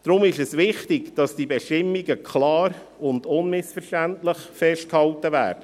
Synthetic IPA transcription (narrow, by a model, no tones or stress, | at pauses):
d̥ɾʊmɪʃɛsvɪχtɪɡd̥ɑsd̥ibɛʃtɪmːiɡəkʰlɑːɾ | ʊndʊnmɪsfərʃtæntləχfɛʃt̚khɑltəvæ̰ːɾd̥ə